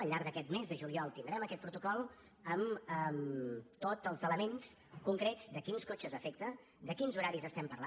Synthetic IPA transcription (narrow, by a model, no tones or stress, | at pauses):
əlˠʎːaɾɡðəkɛt̪mezðəʒuliɔlˠt̪ind̪ɾɛməkɛt̪̚pɾut̪ukɔlˠ | əməmt̪otəlˠzələmenskuŋkɾez̥d̪əkinskot͡ʃəzəfek̚t̪ə | d̪əkinzuɾaɾizəst̪ɛmpərla